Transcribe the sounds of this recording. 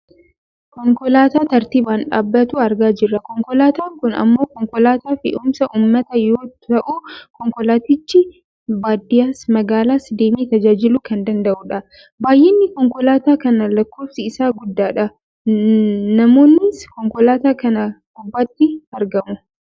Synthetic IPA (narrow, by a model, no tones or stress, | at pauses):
kɔŋkɔlaːt̪aːt̪ɐɾt̪iːbaːnᶑa̰ːbːɐt̪uːɐɾɡaːd͡ʒɪrːɐkɔŋkɔlaːt̪aːŋkʊnɐ̰mːoːkɔŋkɔlaːt̪aːfɪ̰ʔʊmsɐʔʊːmːɐt̪ɐjoːtɐʔukɔŋkɔlaːt̪ɪt͡ʃːɪ | baːd̪ɪjaːsmɐɡaːlaːsd̪eːmiːt̪ɐd͡ʒaːd͡ʒɪlʊkɐnd̪ɐnd̪ɐʔuᶑɐ | baːjʔɛnːɪkɔŋkɔlaːt̪aːkɐnɐlɐkːoːfsɪɪsaːɡʊd̪ːaːᶑɐ | nɐmoːnːɪskɔŋkɔlaːt̪aːkɐnɐɡʊbːɐt̪ːɪɐɾɡɐmʊ